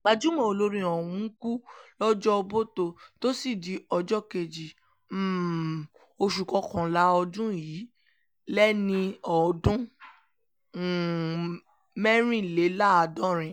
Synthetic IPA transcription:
k͡pa˧˨d͡ʒu˨˦mɔ̃˧˨o˧lo˧ɾĩ˧ɔ˨wũ˧˦ku˦lɔ˦d͡ʒɔ˦o˧bo˦to˧to˦si˦˨di˨˦ɔ˧d͡ʒɔ˦ke˨d͡ʒi˨ | m̩˨ | o˧ʃu˨kɔ˧˦kɔ̃˨la˨˦ɔ˧dũ˦ji˨˦ | lɛ˦nĩ˧ɔ˨dũ˦˨ | mɛ˦ɾ̃ĩ˦˨le˨˦la˦a˧dɔ̃˦ɾ̃ĩ˧˨

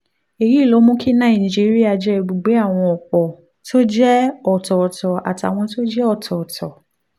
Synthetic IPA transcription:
e˨ɾi˨˦i˦˨lo˨˦mũ˦kʰi˦nã˦˨ĩ˨d͡ʒi˦ɾi˦a˦˧d͡ʒɛ˦˧˨ɡ͡bo˨ɡ͡be˨˦a˦˨w̃ɔ̃˧ɔ˨k͡pɔ˨ | to˦d͡ʒɛ˦ɔ˨tɔ˨ɔ˨tɔ˨a̰˨ti˨a̰˨w̃ɔ̃˧to˦d͡ʒɛ˦ɔ˦˨tʰɔ˨ɔ˨tʰɔ˨

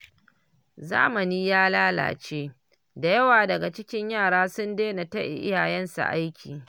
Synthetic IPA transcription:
za̰ː˦mɐ˨niː˦jaː˦laː˦la̰ː˨t͡ʃeː˦ | da˨jɐ˦waː˨dɐ˨ɡa˨t͡ʃɪ˦kʲɪ˦ɲjaː˦˨ɽaː˦sʊ˦ndeː˦na˨tɐ˦ʔḭ˨ʔɪ̰˦jaː˨jɛ˦nsa̰˨ʔa˦jkʲḭː˨

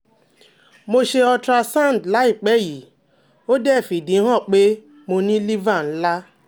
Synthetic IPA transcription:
mo˦ʃe˧ɔ˧tɾa˧sa˦˨n˨dla˦i˨k͡pɛ˦ji˨ | o˦dɛ˦˨fi˨di˨˦ɦɔ˦˨k͡pe˦ | mo˧nĩ˦li˦va˦˨n̩˦la˦

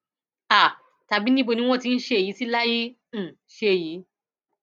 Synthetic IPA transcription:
a˨ | ta˨bi˦nĩ˦bo˧nĩ˧w̃ɔ̃˦ti˧n̩˦ʃe˧˦˨ji˨˦si˦la˦ji˦˨ | ʃe˧˨ji˨˦

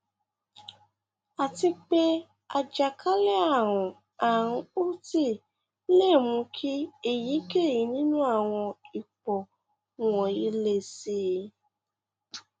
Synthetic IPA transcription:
a˨ti˧k͡pe˦ | a˧d͡ʒa˨kʰa˦le˦a˦˨ɾ̃ũ˨ | a˨ɾ̃ũ˧u˦ti˦˨˦ | le˦˨mũ˧˦kʰi˦e˦˨ji˨˦ke˦˨ji˨˦nĩ˦nũ˦a˦˨w̃ɔ̃˧i˨k͡pɔ˨ | ɔ̃˨i˨˦le˧si˦

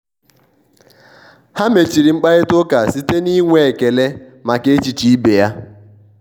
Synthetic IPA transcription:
ha˦me˨t͡ʃi˨ɾi˨ŋ͡m̩˦k͡pa˦ɣe˦tʊ˦ka˨si˦te˦ni˦ŋʷe˨e˨ke˨le˦ | ma˨ke˦e˦t͡ʃi˨t͡ʃi˨i˦be˨ja˦

